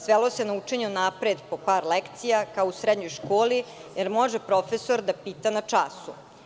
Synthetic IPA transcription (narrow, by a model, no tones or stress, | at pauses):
sʋelo̞senaut͡ʂe̞ɲenapɾed̪po̞paːɾlekt̪sijakaousɾed̪ɲo̞jʃko̞ːli | jeɾmo̞ʒepɾo̞feso̞ɾd̪apiːt̪anat͡ʂasu